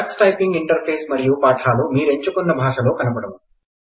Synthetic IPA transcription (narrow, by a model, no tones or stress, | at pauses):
ksʈɐjpiŋɡiɳʈɐɾpʰeːsmɐɾijupaːʈʰaːlumiːɾe̞ɲt͡ʃukɔnːɐbʱaːʂɐlo̞ːkɐnɐbɐɽɐmu